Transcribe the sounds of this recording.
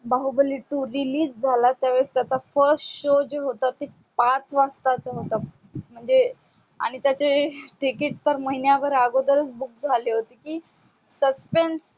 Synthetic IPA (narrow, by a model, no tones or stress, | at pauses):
baɦubəliʈuɾiliːsd͡zʱalat̪jaʋeɽəst̪jat͡safəɾsʈɕod͡ʑeɦot̪at̪i | pat͡sʰʋast̪at͡saɦot̪a | m̤əɳd͡ze | a̰ɽ̃it̪jat͡ɕeʈikiʈ̚t̪əɾməɦinjabəɾaɡod̪əɾət͡sbuk̚d͡zʱaleɦot̪ikiː | səspens